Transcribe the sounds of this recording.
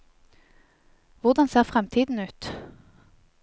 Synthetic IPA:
ʋʊʁd̪ɑnseːʁfʁɛmt̪ʰiːd̪n̩ʉːt̪

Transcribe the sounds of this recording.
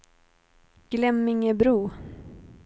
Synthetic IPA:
ɡ̥lɛmːɪŋəbɾuː

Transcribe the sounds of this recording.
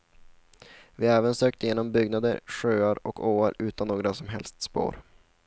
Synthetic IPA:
vɪɛːvənsøːk̚t̪əjeːnɔmbʏɡnad̪əɾɧøːaɾɔkʰoːaɾʉ̟ːt̪ʰanːoːɡɾasɔmɦɛ̰lst̪spo̰ːɾ

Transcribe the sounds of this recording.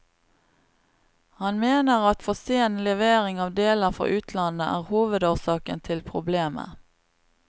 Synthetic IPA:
hɑnmeːnəʁɑt̪fɔseːnlɛʋeːʁɪŋɑːʋd̪eːləʁfɔ̰ʔʉːt̪ʰlɑnəʔæːʁhuːʋəd̪oːʁsɑːkənt̪ʰɪlpʰʁʊbleːmə̰

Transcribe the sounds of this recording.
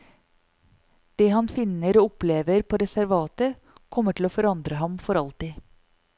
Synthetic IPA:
d̪̥eːhɑnfɪnəɾoːʊpleːʋəɾpʰoːɾɛsæɾʋɑːt̪ə | kʰɔməʈʰɪloːfɔɾɑnd̪ɾəɦɑmfɔɾɑlt̪ɪː

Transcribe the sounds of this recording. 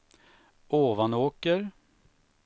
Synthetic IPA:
oːvanoːkəɾ

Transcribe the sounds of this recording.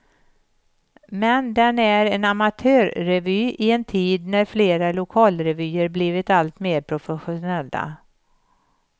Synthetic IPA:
mɛnd̪ɛnæɾɛnamat̪ʰøːɾːɛvyːʔɪɛnt̪ʰiːd̪næɾfleːɾalʊkʰɑːlɾɛvyːəɾbliːvɪt̪alt̪meːɾpʰɾʊfɛɧʊnɛlːa̰

